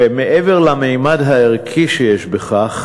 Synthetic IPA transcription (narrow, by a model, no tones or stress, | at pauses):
emeʔeve̞ʁlamejmadɦaeʁkʰiʃejeʃbeχaχ